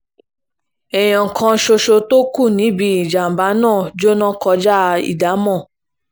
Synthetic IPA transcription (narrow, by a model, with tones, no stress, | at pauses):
ɛ˨j̃ɔ̃˨ŋ̩˨kʰã˧˦ʃo˧ʃo˧to˦ku˦˨nĩ˨˦bi˧˦i˨d͡ʒa˨m̩˨ba˨˦nãː˦˨d͡ʒo˦nɔ̃˦kɔ˧d͡ʒa˦˧ḭ˨da˨˦mɔ̃˦˨